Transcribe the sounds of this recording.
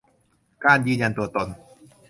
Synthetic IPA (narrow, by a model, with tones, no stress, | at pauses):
kaː˧˥˨njɯː˧˩nja˧nt̪u˧ɐt̪o˧n